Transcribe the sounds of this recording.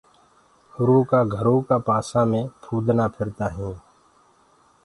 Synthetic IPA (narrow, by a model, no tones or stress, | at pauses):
hʊɾõːkaːɡʱəɾõːkaːpaːsãːmẽːpʰuːd̪naːpʰɪɾt̪aːɦẽː